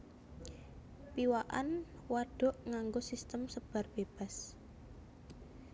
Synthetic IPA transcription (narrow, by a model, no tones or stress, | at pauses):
piwaʔa̰n | waɖ̥ɔ̤ʔŋaŋɡosist̪əmsəb̥a̤rb̥eb̥a̤s